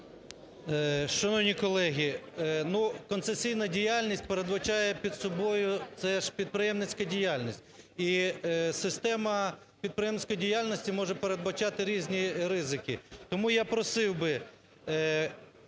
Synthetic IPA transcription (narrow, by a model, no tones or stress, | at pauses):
ʃɐnɔwnʲikɔlˠɛɦʲinukɔnt̪sesʲijnɐdʲijalʲnʲisʲt̚ʲpeɾed̪bɐt͡ʃɑjɛpʲid̪sɔbɔjʊt̪sɛʃpʲid̪̚pɾɪjɛmnɪt͡sʲkɐdʲijalʲnʲisʲtʲ | isɪst̪ɛmɐ | pʲid̪̚pɾeɪjɛmnɪsʲkɔjidʲijalʲnɔsʲtʲimɔʒɛpeɾed̪bɐt͡ʃɑt̪ɪɾʲizʲnʲiɾɪzɪkʲɪt̪ɔmujapɾɔsɪwbɪ